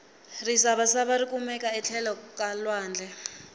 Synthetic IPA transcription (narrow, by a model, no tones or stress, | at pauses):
risaβasaβaɾikʼumɛkʼaɛt͡ɬʰɛlɔkʼalwaːnd͡ɮʱɛ